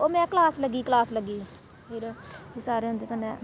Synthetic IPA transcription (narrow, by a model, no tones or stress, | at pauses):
oːmɛ̃ːkəlaːsləɡiːklaːsləɡiː | pʰɪɾiːsaːɾeːɦʊ̃nd̪eːkənːɛː